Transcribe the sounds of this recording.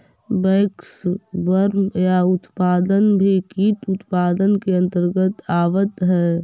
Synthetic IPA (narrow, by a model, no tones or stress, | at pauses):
bɛːksbəɾmjaʊt̪paːd̪ənbʱikiːt̪ʊt̪paːd̪ənkeə̃nt̪əɾɡət̪aːʋət̪ɦɛː